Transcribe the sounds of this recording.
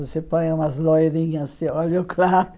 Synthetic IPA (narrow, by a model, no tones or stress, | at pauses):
osepõj̃ũmɐzlojd̪ĩɲɐzd̪ɪɔlʊkʰlaɾʊ